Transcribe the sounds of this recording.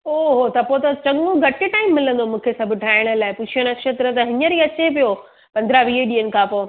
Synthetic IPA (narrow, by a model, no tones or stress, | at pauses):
oɦot̪ɐpot̪ɐt͡ɕɐ̃ŋɡõɡʱɐʈɪʈaːɪmːɪlə̃nd̪omũːkʰesɐbʱɪʈʰaːɪɽ̃ə̆laːɪpʊt͡ɕʰijəɽ̃əkʃeːt̪ɾət̪ɐɦɪɲəɾiːɐt͡ɕep̬ijo | pɐ̃nd̪ɾaʋiːɗiːənɪ̆kʰãːpoː